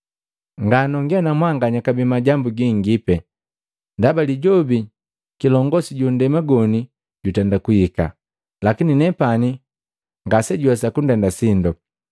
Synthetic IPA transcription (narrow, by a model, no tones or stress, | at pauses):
ŋɡanɔŋɡɛnamwaŋɡaɲakabimaɟambuɡiŋɡipɛ | ndabaliɟɔbi | kilɔŋɡɔsiɟundɛmaɡɔni | ɟutɛndakuhika̰ | lakininɛpani | ŋɡasɛɟuɛsakun̩dɛndasindɔ